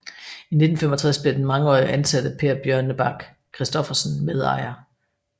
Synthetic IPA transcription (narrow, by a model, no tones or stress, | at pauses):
ine̝d̥n̩femɒ̽t͡sʰʁasb̥leɐd̥en̩mɑ̈ŋəɒ̰ːɪʔænsæd̥əpʰe̝̰ːɐ̰b̥jɶɐnəb̥ɑ̈ɡ̥ | kʰʁisd̥ɒ̽fɐsn̩með̞ˠɑ̰̈ɪɐ